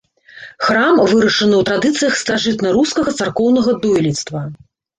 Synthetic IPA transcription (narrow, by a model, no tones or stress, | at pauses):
xɾamvɨɾɐʂɨnɨwt̪ɾad̪ɨt̪sɨjɐxst̪aʐɨt̪nɐɾuskɐɣɐt̪sarkɔwnɐɣɐd̪ɔjlʲit̪st̪vɐ